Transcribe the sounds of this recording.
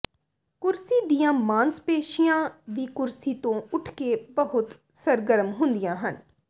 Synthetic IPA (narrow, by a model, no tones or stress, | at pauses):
kʊɾsiːd̪ijãːmãːnspeːʃijãːʋiːkʊɾsiːt̪õːʊʈʰkeːbəɦʊt̪ | səɾɡəɾəmɦʊ̃nd̪ijãːɦən